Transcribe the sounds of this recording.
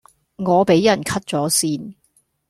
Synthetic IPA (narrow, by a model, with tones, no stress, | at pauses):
ŋɔː˨˧pe˨˥jjɐ˨˩nkʰɐ˥t̚t͡sɔː˨˥siː˥n